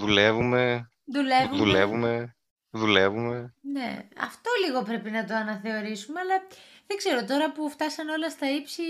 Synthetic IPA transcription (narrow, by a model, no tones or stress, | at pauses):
ðulevume | ðule̞vuðulevume̞ | ðule̞vume̞ne̞̰ɐ̰ft̪o̞liɣo̞pɾe̞pinɐt̪o̞ɐnɐθe̞o̞ɾisumeɐlɐ | ðeɡz̥e̞ɾo̞t̪o̞ɾɐpuft̪ɐsɐno̞lɐst̪ɐipsi